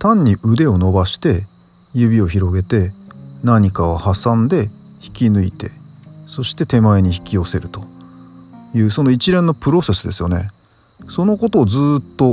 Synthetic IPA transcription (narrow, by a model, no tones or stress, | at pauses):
t̪ãɲ̟ːiʔɯ̟d̪e̞o̞no̞baɕi̥t̪e̞ | jɯbʲio̞çiɾo̞ɡe̞t̪e̞naɲ̟ikaohasãnd̪e̞ | çi̥kʲinɯ̟it̪e̞so̞ɕi̥t̪e̞t̪e̞maeɲ̟içi̥kʲio̞se̞ɾɯ̟t̪o̞ | jɯ̟ːso̞no̞it͡ɕiɾẽ̞nːopɯ̟ɾo̞se̞sɨd̪e̞sɨjo̞ne̞ | so̞no̞ko̞t̪o̞ːzɨːt̪ːo̞